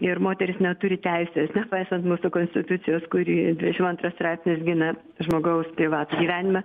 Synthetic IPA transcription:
ɪɾmoːt̪ʲɛɾʲɪsnʲɛt̪ʊɾʲɪt̪ʲɛɪsʲeːsnʲɛpɐɪsɐnt̪muːsʊkoːnʲsʲt̪ʲɪt̪ʊt͡s̪ʲɪjoːskʊɾʲiːd̪ʲʋʲɪd̪ʲɛʃʲɪmɐnt̪ɾɐsst̪ɾɑɪpʲsʲnʲɪsɡʲɪnɐ | ʒmoːɡɐʊspʲɾʲɪʋɑːt̪uːɡʲiːʋʲæːnʲɪmɐ

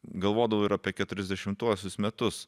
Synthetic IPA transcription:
ɡɐlˠʋoːd̪ɐʋoɪɾɐːpʲiɛkʲɛt̪ʊɾʲɛzʲd̪ʲɛʃʲɪmt̪uɔsʲʊsmʲɛt̪ʊs

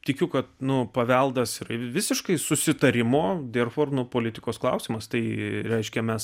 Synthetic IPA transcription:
t̪ʲɪkʲʊkɐt̪nʊpɐʋʲɛlˠd̪ɐsɪɾɐʋʲɪsʲɪʃkɐɪsʊsʲɪt̪ɐɾʲɪmoːd̪ʲerfoːrnʊpoːlʲɪt̪ʲɪkoːsklˠɐʊsʲɪmɐst̪ɐɪɾʲɛɪʃʲkʲɛmʲɛs

